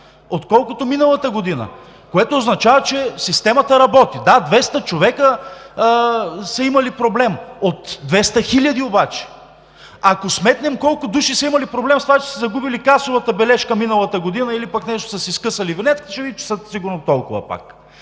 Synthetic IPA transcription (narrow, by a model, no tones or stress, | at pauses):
ot̪kɔlˠkot̪ominəlˠət̪əɡod̪inə̰ | koɛt̪oːznɐt͡ʃavɐt͡ʃɛsist̪ɛmɐt̪əɾɐbɔt̪id̪ad̪vɛst̪ət͡ʃovɛkə | sɐimɐlipɾoblɛmot̪d̪vɛst̪əxilʲɐd̪iobat͡ʃɛ̥ | akosmɛt̪nɛmkɔlˠkʊd̪uʃisɐimɐlipɾoblɛmst̪ovat͡ʃɛ̥sɛzɐɡubilikasovɐt̪əbɛlɛʃkəminəlˠət̪əɡod̪inəilipaknɛʃt̪o̥səsiskɤsəlivinɛt̪kit̪ɛ̥t͡ʃɛvit͡ʃɛ̥səsiɡʊɾnot̪ɔlˠkʊvə̰pa̰k